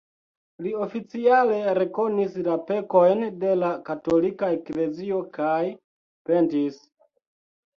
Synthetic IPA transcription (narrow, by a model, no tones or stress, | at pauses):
lio̞fit͡siale̞ɾe̞ko̞nislape̞ko̞jnde̞lakato̞likaekle̞zio̞kaj | pe̞ntis